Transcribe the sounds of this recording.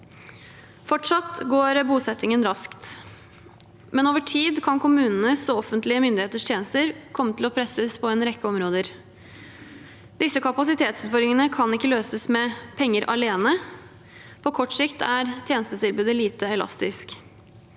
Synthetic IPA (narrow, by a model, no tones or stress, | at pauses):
fɔʈʂɑt̪ɡoːɾbuːsɛt̪ːɪŋənɾɑskt̪ | mɛnoːʋəʈʰiːd̪kʰɑnkʰʊmʉːnən̩əsoɔfənt̪lɪəmʏnd̪ɪheːt̪əʂt̪ʰjeːnəst̪əɾkʰɔmːət̪ʰɪlɔpʰɾɛsəspʰɔɛːnɾɛkːəɔmɾoːd̪əɾ | d̪ɪsəkʰɑpɑsɪt̪ʰeːt̪sʉːt̪fɔɾɾɪŋənəkʰɑnɪkːəløːsəsmɛpʰɛŋːəɾʔɑ̰leːnə | pʰɔkʰɔʈːsɪkt̪ʰæɾt̪ʰjeːnəst̪ət̪ʰɪlbʉːd̪əliːt̪əɛlɑ̰st̪ɪsk